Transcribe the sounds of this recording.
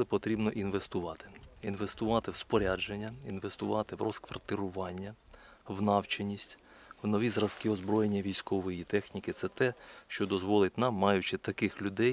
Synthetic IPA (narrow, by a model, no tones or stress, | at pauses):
lˠɪpɔt̪ɾʲibnɔʔinʋest̪ʊʋɑt̪ɪ̥inʋest̪ʊʋɑt̪ɪwspɔɾʲad͡ʒenʲːɐinʋest̪ʊʋɑt̪ɪwrɔskʋɐ̰rt̪ɪɾʊʋɑnʲːɐwnɑwt͡ʃɪnʲːisʲtʲ | wnɔʋʲizɾɐzkɪɔzbɾɔje̞nʲːɐʋʲijsʲkɔʋɔjit̪ɛxnʲikɪt̪sɛt̪ɛʃt͡ʃɔd̪ɔzʋɔlˠɪtʲnɑmːɑjʊt͡ʃɪt̪ɐkɪxlʲʊd̪ɛj